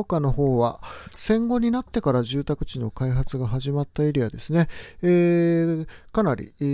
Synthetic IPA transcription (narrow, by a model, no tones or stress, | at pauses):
kano̞ɦo̞ːβasẽ̞ŋɡo̞ɲ̟inat̪ːe̞kaɾaʑɨːt̪akɯ̟̥t͡ɕino̞kaiɦat͡sɨɡaɦaʑimat̪ːaiɾʲijad̪e̞sɨne̞e | kanaɾʲḭ